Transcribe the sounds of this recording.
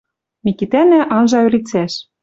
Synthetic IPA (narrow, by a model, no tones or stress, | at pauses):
mikit̪ænæʔɑnʒɑø̆ɾit͡sæʃ